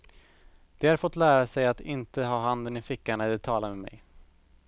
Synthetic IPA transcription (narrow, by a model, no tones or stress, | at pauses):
d̪̥ɛaɾfɔt̪ːlæːɾasɛjat̪ɪnt̪əɦɑːɦand̪ənɪfɪkːaɳad̪ɛt̪ʰɑːlaɾmɛmɛ̰j